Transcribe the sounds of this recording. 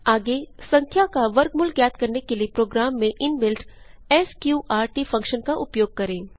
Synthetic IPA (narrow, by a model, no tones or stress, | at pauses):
aːɡesɐ̃ŋkʰjakaʋɐɾkmʊlkjaːt̪kɐɾnekeliepɾoːɡɾaːmːẽʔɪnbɪlʈɛːskjuːʔaːɾʈiːfɐ̃ŋkʃənkaʔʊpjoːɡ̚kɐɾẽː